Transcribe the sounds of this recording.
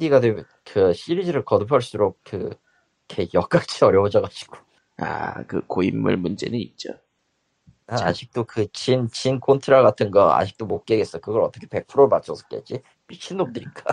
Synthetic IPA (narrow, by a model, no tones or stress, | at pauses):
diɡadwem | kɯɕʰiɾid͡ʑiɾɯɭkʌdɯpʰaɭs͈uɾok̚kɯ | kʰejʌk͈at͡ɕʰiʌɾjʌod͡ʑʌɡad͡ʑi̥ɡ̥o | a̰kɯ̰koimːɯ̰ɭmund͡ʑe̞̰nɯnit̚t͡ɕ͈o | aa̰d͡ʑʰik̚t͈okɯt͡ɕint͡ɕinkʰontʰɯɾaɡatʰɯnɡʌa̰d͡ʑʰi̥k̚t͈omok̚k͈eɡes͈ʌkɯɡʌɾʌt͈ʌkʰepe̞k̚pʰɯɾomat͡ɕ͈ʰʌsʰɯ̥k͈ḛt͡ɕ͈i | piɕʰinːop̚t͈ɯɾik͈a